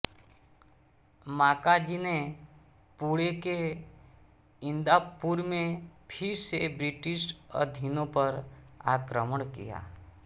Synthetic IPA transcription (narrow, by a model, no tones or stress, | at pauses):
maːkad͡ʒine | puɽeke | ɪ̃nd̪apuɾmẽpʰɪɾsebɾɪʈɪʃə̰d̪ʱinõpəɾaːkɾəməɳkḭja̰ː